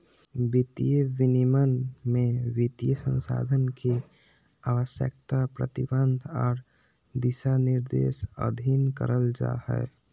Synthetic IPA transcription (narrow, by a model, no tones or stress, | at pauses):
bɪt̪ijəʋɪnimənmẽʋɪt̪ijəsə̃nsa̰ːd̪ʱənke | aːʋəʃjə̰kt̪apɾə̰t̪ɪbənd̪ʱɔːɾ | d̪ɪsanɪɾd̪ḛːsə̰d̪ʱinkə̰ɾəld͡ʒa̰ːhɛ̰